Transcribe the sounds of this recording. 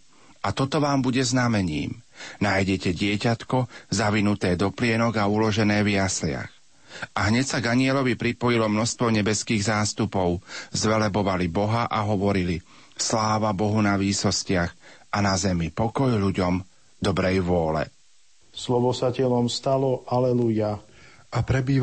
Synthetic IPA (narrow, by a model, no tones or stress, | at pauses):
ʔat̪ɔt̪ɔʋaːmbuɟɛznamɛɲḭːmnaːjɟɛcɛɟɪɛcat̪kɔzaʋinut̪ɛːd̪ɔplɪɛnɔɡaulɔʒɛnɛːʋɪjaslɪa̰x | ʔaɦɲɛcsaɡaɲɪɛlɔʋipɾipɔjilɔmnɔst̪ʋɔɲɛbɛskiːɣzaːst̪upɔʊzʋɛlɛbɔʋalibɔɦaʔaɦɔʋɔɾili | slaːʋabɔɦunaʋiːsɔscɪaxanazɛmipɔkɔjʎuɟɔm | d̪ɔbɾɛjʋʊɔlɛ̰ | slɔʋɔsacɛlɔmst̪alɔʔalɛluja | apɾɛbiː